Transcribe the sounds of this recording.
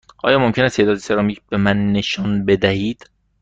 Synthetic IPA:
ʔɒ̰ːjɒːmomcʰenæst̪ʰeːd̪ɒːd̪esʰe̞ɾɒmiːcʰbe̞mænːeʃɒːnbe̞d̪æhiːd̪̥

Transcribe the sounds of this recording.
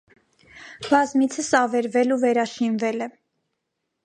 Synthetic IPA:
bɑzmit͡sʰəsɑvɛɾvɛluvɛɾɑʃinvɛlɛ

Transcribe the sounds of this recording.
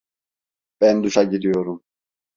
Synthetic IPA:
b̥ænd̪uʃaɟid̪ijo̞ɾum

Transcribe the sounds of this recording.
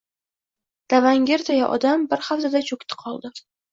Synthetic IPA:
d̪̥avaŋɡʲe̞ɾt̪ʰajaʔɒ̰d̪ambɪɾχafzad̪at͡ʃʰokʲt̪ʰɪ̥qʰɒlˠd̪ɪ

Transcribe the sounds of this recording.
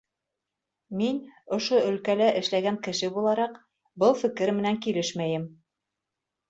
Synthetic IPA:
minŏʃoɵ̆lkælæʔɘ̆ʃlæɡæŋkɘ̆ʃɘbulˠɑɾɑq | bɤlˠfɘ̆kɘɾmɘ̆næŋkilɘʃmæjɘm

